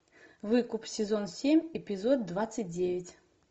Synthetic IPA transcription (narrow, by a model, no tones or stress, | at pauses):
vɨkupsʲɪzonsʲemʲɪpʲɪzod̪̚d̪vat̪sɨt̚ʲdʲevʲɪtʲ